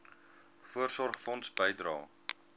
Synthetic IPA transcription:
fuərsɔrχfɔntsbəjdɾɑ̰ː

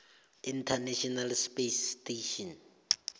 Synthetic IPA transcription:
intʰaneʃʰɔnalspesteʃɔn

